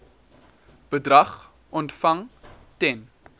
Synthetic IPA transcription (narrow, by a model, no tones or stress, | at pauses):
b̥ədrɐχ | ʔɔntfɐŋtɛn